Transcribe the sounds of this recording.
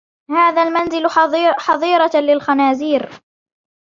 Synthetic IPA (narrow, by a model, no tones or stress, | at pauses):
haːðaːlmanzɪlħɑðˤiːɾɑlɪlxanaːziːɾ